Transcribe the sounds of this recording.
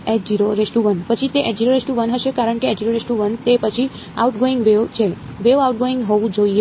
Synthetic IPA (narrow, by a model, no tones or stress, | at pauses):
eʈd͡ʒiɾoɾesʈuʋənpət͡ʃʰit̪eʔed͡ʒiɾoɾesʈuʋənɦəʃekaɾəɳkeed͡ʒiɾoɾesʈuʋənt̪epət͡ʃʰi | auʈɡoɪ̃ŋɡʋeʋt͡ʃʰeʋeʋauʈ̚ɡoɪ̃ŋɡɦɔʋũd͡ʒoie